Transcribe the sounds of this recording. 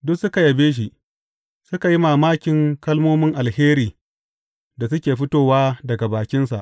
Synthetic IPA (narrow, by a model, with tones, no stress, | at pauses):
dʊ˦ksʊ˦ka˨jɐ˨beː˦ʃ̬i˦ | sʊ˦ka˨ji˦maː˨maː˦kʲɪ˨ŋkɐ˦lmoː˦mɪ˦ŋʔa˨lheː˦ɾiː˨ | da˨sʊ˦kʲeː˨ɸɪ˦toː˨waː˦dɐ˨ɡa˨baː˨kʲɪ˦nsa̰˨ʔ